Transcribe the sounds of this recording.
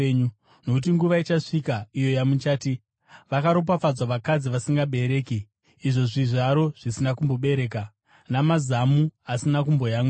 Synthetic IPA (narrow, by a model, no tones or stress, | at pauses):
ɲu | no̞kut̬iŋɡuʋait͡ʃaʂikaijo̞jamut͡ʃaːti | ʋakaɾo̞p̬afad͡zwaʋakad͡ziʋasiŋɡaɓe̞ɾe̞ːkiː | ʐo̞ʐiʐaɾo̞ʐ̥isinakumbo̞ɓe̞ɾeːka | namazamuasinak̬umbo̞jaːŋɡu